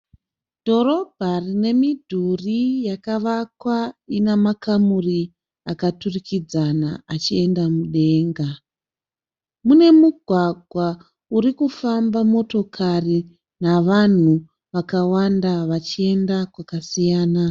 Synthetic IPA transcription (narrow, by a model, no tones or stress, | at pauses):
d̥ʱo̞ɾo̞bʱarine̞midʱurijakaʋakwainemakamuri | akaturikid͡zanaat͡ʃie̞ndamuɗe̞ːŋɡa | mune̞muɡʱwaɡʱwa | uɾikufambamo̞to̞kʰari | naʋan̤u | ʋakawandaʋat͡ʃie̞ndakwakasijaːna